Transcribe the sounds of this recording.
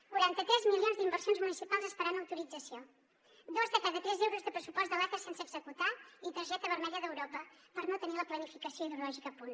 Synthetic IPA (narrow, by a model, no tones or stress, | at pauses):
kuɾant̪ət̪ɾɛzmilionzd̪imbərsionzmunisipalˠzəspəɾanəwt̪uɾid͡zəsio | d̪ozðəkaðət̪ɾɛzɛwɾuzðəpɾəsupɔzt̪d̪əlɛt̪əsensəɡzəkut̪ait̪əɾʒɛt̪əβ̞əɾmɛʎəðəwɾopəpəɾnot̪əniləplənifikəsioiðulɔʒikəːpun